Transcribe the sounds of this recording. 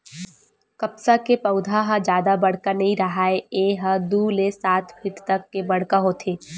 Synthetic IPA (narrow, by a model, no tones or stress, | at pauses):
kɐpsakepɐʊd̪ʱaɦad͡ʒjaːd̪abɐɽ̤kanɐɦĩɾɐɦaːeeɦɐd̪ulesaːt̪ʰbʰɪt̪t̪ɐkːebɐɽ̤kaɦoːt̪ʰeː